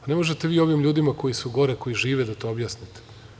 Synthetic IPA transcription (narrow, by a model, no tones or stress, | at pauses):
ane̞mo̞ʒet̪eʋiːo̞ʋimʎuːd̪imako̞jisuɡo̞ɾeko̞jiʒiːʋed̪at̪o̞objaːsnit̪e̥